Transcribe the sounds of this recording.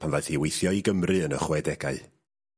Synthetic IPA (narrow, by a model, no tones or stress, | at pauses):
pʰanðajθiwejθjɔiɡəmrɨənə̰χwɛdɛɡa̰ɨ